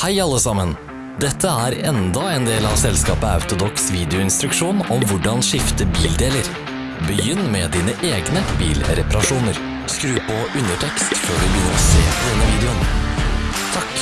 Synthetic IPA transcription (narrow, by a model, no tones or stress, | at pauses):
hæɪɑlːəsɑmən | d̪ɛt̪ʰːəæːɾɛnd̪ɑeːnd̪eːlɑʋsɛlskɑːpəɑ̰ʉt̪ʊd̪ɔksʋiːd̪ɛʊɪnst̪ɾʉkʂuːnɔmʋʊɖɑnʂɪft̪əbiːld̪eːləɾ | bəjʏnːmɛd̪iːnəʔeːɡnəbḭːlɾɛpɑɾɑʂuːnəɾ | skɾʉːpʰɔʉnəʈʰɛkst̪føːɖʉbəjʏnːəɾɔsḛːpʰɔd̪ɛnːəʋiːd̪ɛʊn | t̪ʰɑk